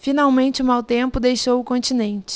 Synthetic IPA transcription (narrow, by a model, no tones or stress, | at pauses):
finawmẽnt͡ʃɪʊmawt̪ẽmpʊd̪ejʃowʊkõnt͡ʃinẽnt͡ʃɪ̥